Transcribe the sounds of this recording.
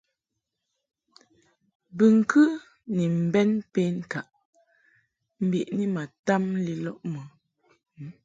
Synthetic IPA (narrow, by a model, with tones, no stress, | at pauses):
bɨ˨ŋ̩˨kʰʉ˦ | ni˨m̩˨bɛ˦npe˦ŋ˨ka˨ʔ | m̩˦bi˨ʔni˦ma˨ta˦mli˦lɔ˦ʔmɔ˨˦